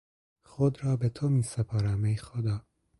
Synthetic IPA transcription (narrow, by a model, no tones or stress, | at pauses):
xod̪ɾɒːbet̪ʰomiːsepʰɑːɾæmejxod̪ɒː